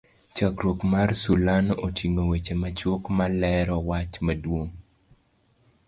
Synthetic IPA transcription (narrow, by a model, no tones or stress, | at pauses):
t͡ʃakɾwokmarsulanotʰiŋowet͡ʃemat͡ʃwokmalɛɾɔwat͡ʃmadwoŋ